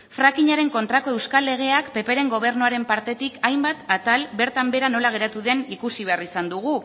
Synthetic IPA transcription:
fɾakiɲaɾe̞ŋko̞nt̪ɾako̞e̞wskalːe̞ɣ̞e̞akpe̞pe̞ɾe̞ŋɡo̞β̞e̞ɾnuaɾe̞mpaɾt̪e̞t̪ikʰajmbat̪at̪albe̞ɾt̪ambe̞ɾano̞laɣ̞e̞ɾat̪uðe̞nikusiβ̞e̞arisand̪uɣ̞u

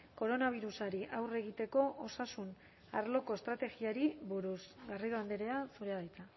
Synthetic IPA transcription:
ko̞ɾo̞naβ̞iɾusaɾiʔawre̞ɣ̞it̪e̞ko̞ʔosasun | aɾlo̞ko̞est̪ɾat̪e̞ɣiaɾiβuɾusɣariðoand̪eɾeasuɾeaðajt͡s̪a

